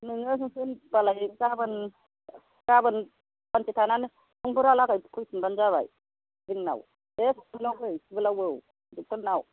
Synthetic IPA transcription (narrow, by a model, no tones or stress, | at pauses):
nɯŋɯs̬uŋpʰɯnbalajkabɯn | kabɯn | bant͡ʃit̪ʰanan | uŋbuɾalakajkʰujsinband͡ʒaβa̰j | biŋna̰w | esblawbəjsbɯlawəw | duk̚tənaw